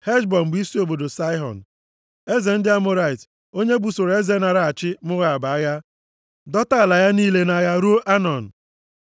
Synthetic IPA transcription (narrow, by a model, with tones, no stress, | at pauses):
he˦d͡ʒbɔ˨m̩˨ɡ͡bi˦si˦o˨bo˨do˨sa˦ɪ˦ɦɔ̰˨n̩˨ | e˦ze˨n̩˦dɪ˦a˦mʊ˦ɾa˦˨ɪ˨t | o˦ɲe˦bu˨so˨ɾe˦ze˨˦na˨ɾa˨a˨t͡ʃɪ˦mʊ˦ɣa˨a˨ba˨a˦ɣa˦ | dɔ˦ta˦˨la˨ja˦niː˦le˦na˨ɣa˨ɾu˦o˦ʔa˦nɔ˨n̩˨